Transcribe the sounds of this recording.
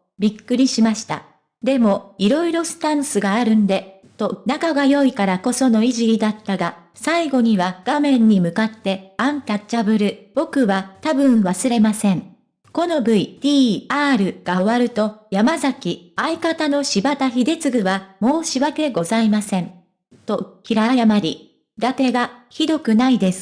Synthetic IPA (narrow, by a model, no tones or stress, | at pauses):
bʲikːɯ̟ɾʲiɕimaɕi̥t̪a̰ | d̪e̞mo̞iɾo̞iɾo̞sɨ̥t̪ãɰ̃sɨɡaːɾɯ̟̃nd̪e̞ | t̪o̞nakaɡajo̞ikaɾako̞so̞no̞iʑiid̪at̪ːaɡa | saiɡo̞ɲ̟iβaɡ̥amẽ̞ɲ̟ːimɯ̟kat̪ːe̞ãŋt̪at͡ɕabɯ̟ɾɯ̟b̥o̞kɯ̟βat̪abɯ̟̃ɰ̃βasɨɾe̞masẽ̞ɴ | ko̞no̞bɯ̟it̪ʲiːaːɾɯ̟ɡ̥aoβaɾɯ̟t̪o̞jamazakʲiaikat̪ano̞ɕibat̪açid̪e̞t͡sɨɡɯ̟βamo̞ːɕiβake̞ɡo̞zaimasẽ̞n | t̪o̞kʲiɾajamaɾʲi | d̪ake̞ɡaçid̪o̞kɯ̟naid̪e̞sɨ̥